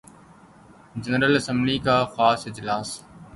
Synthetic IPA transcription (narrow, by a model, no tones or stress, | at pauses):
d͡ʒənɾəlɐsə̃mblikaːxaːsɪd͡ʑlaːs